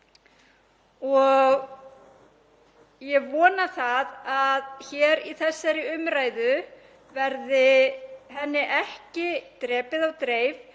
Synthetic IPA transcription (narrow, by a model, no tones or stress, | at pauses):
ɔɣ | jɛɣvɔːnaθaðaðçɛːɾiθɛsːaɾɪʏmɾaːjðʏ | vɛɾðɪhɛnːɪʔɛhcɪt̪ɾɛːpɪðawt̪ɾeːjv